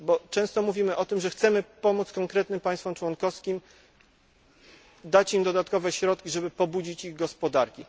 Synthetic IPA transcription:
bɔt͡ʂɛ̃w̃st̪ɔmuvʲimɘʔɔt̪ɘmʐɛxt̪sɛmɘpɔmut̪skɔŋkɾɛt̪nɘmpaj̃st̪fɔmt͡ʂwɔnkɔfskʲim | d̪at͡ɕimd̪ɔd̪at̪kɔvɛɕɾɔt̪̚kʲiʐɛbɘpɔbud͡ʑit͡ɕiɣɡɔspɔd̪aɾkʲi

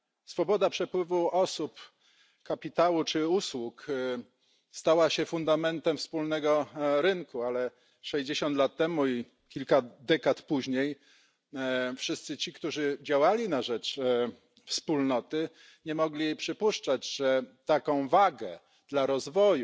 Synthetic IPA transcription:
sfɔbɔd̪apʂɛpwɘvuɔsup | kapʲit̪awut͡ʂɘuswuk | st̪awaɕɛfund̪amɛnt̪ɛmfspulnɛɡɔɾɘŋkualɛ | ʂɛʑd͡ʑeɕɔnt̪lat̪ːɛmui | kʲilkad̪ɛkat̪puʑɲej | fʂɘst̪sɘt͡ɕikt̪uʐɘd͡ʑawalʲinaʐɛt͡ʂ | fspulnɔt̪ɘ | ɲɛmɔɡlʲijejpʂɘpuʂt͡ʂad͡ʑʐɛt̪akɔ̃w̃vaɡɛ | d̪̥laɾɔzvɔju

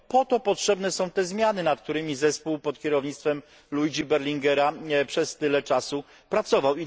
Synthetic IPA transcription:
pɔt̪ɔpɔtʂɛbnɛsɔ̃w̃t̪ɛzmʲjanɘnat̪k̚t̪uɾɘmʲizɛspuwpɔt̪kʲɛɾɔvɲit̪st̪fɛm | lujd͡ʑibɛɾlʲiŋɡɛɾapʂɛst̪ɘlɛt͡ʂasu | pɾat̪sɔvawi

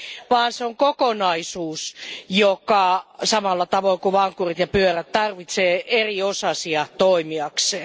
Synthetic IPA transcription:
ʋɑːnseoŋkokonɑisuːsjokɑsɑmɑlːɑt̪ɑʋoikuʋɑŋkurit̪jɑpyøræt̪t̪ɑrʋit̪seːeriosɑsiɑt̪oimiɑkseː

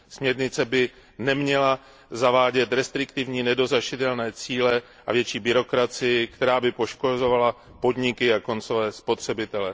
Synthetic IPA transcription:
smɲɛɾɲɪt͡sɛbɪ | nɛmɲɛla | zavaːɟɛt̪ɾɛst̪ɾɪkt̪ɪvɲiːnɛdo̞zaʃɪt̪ɛlnɛːt͡siːlɛ | ʔa̰vjɛt͡ʃiːbɪɾo̞kɾat͡sɪjɪkt̪ɛɾaːbɪpo̞ʃkozo̞vala | po̞dɲɪkɪako̞nt͡so̞vɛːspo̞t̪r̝̥ɛbɪt̪ɛlɛ

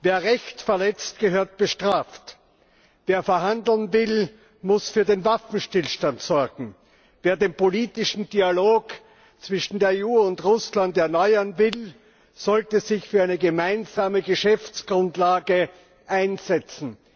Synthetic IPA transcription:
veːɐʁɛçtfɛɐlɛt͡st̚ɡ̥əɦøːɐt̚b̥əʃtʁ̥aːft | veːɐfɛɐɦandl̩nvɪl | mʊsfyːɐdeːnvafn̩ʃtɪlʃtantsɔɐɡŋ̩ | veːɐdeːnpoliːtɪʃn̩dialoːk | t͡sv̥ɪʃn̩deːɐeːuːʊntʁʊslantɛɐnɔʏɐnvɪl | z̥ɔltəzɪçfyːɐaɪnəɡəmaɪnzaːməɡəʃɛft͡sɡ̥ʁʊntlaːɡə | ʔaɪnz̥ɛt͡sn̩

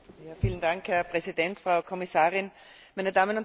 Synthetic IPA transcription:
jaːfiːln̩daŋkhɛɐpʁ̥ɛzidɛntfʁaʊkʰɔmɪsaːʁɪn | maɪnədaːmənʊnt

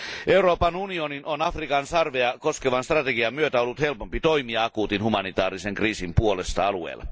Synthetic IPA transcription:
e̞uɾo̞ːpɑnunioninonɑfrikɑnsɑrʋeɑko̞skeʋɑnst̪rɑt̪eɡiɑmyøt̪æo̞lːut̪he̞lpompit̪o̞imiɑɑkuːt̪inhumɑnit̪ɑːɾise̞ŋkriːsimpuo̞le̞st̪ɑɑluḛːlːˑʔɑ̰

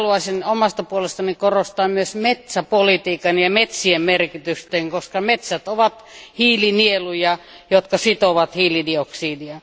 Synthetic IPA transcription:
luɑsinomɑst̪ɑpuolest̪ɑnikorost̪ɑːmmyøsmet̪sæpolit̪iːkɑnjɑmet̪siemmerkit̪yst̪eːŋkoskɑmet̪sæt̪oʋɑt̪hiːlinielujɑ | jot̪kɑsit̪oʋɑt̪hiːlidioksiːdiɑ

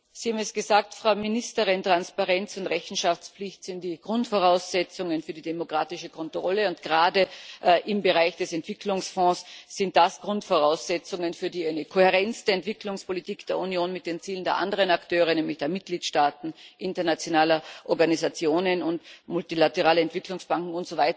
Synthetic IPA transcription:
z̥ihaːm̩ɛsɡ̥əzaːk̚tfʁ̥aʊminɪstəʁɪntʁ̥anspaʁɛnt͡sʊntʁɛçn̩ʃaft͡spp͡flɪçtz̥ɪntd̥iːɡ̥ʁʊntfɔʁ̞aʊsz̥ɛt͡sʊŋənfyːɐdidemokʁ̥aːtɪʃəkʰɔntʁ̥ɔləʊnt̚ɡ̥əʁaːdəʔʔɪmbəʁaɪçd̥ɛsɛntv̥ɪkʰlʊŋsfɔ̃ːsːɪnt̚d̥asɡ̥ʁʊntfɔʁaʊsz̥ɛt͡sʊŋənfyːɐdiːaɪnəkʰohɛʁɛnstəɛntv̥ɪkʰlʊŋspolitiːkd̥eːɐunjoːnmɪt̚d̥eːnt͡siːlən̩deɐʔa̰ndəʁənaktʰøːʁ̞ənɛːmlɪçd̥eːɐmɪt̚ɡ̥liːtʃtaːtn̩ʔɪntɐnat͡sjonaːlɐʔɔɐɡanizat͡sjoːnənʊntmʊltilatəʁaːləɛntv̥ɪklʊŋsb̥aŋkŋ̩ʊntz̥ovaɪt

